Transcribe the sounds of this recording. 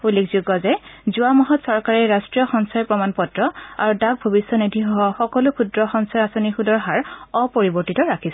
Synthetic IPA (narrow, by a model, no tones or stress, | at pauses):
ulikzuɡɔzɛzʊamɔɦɔtsɔɹkaɹɛɹastɹijɔxɔŋsajpɹɔmanpɔtɹɔa̰ɹudak̚bʱɔbisjɔnidʱiɦɔɦɔxɔkɔlʊkʰudɹɔxɔnsajasɔnixudɔɹɦaɹɔpoɹibɔɹtitɔɹakʰisɛ